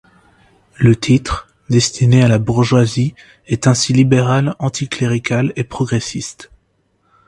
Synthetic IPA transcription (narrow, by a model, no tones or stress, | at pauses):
lət̪ʰit̪χ | d̪ɛst̪inealabuʁʒwazi | ɛt̪ɛ̃silibeʁalɑ̃t̪ʰikleʁikʲalepχɔɡʁesist̪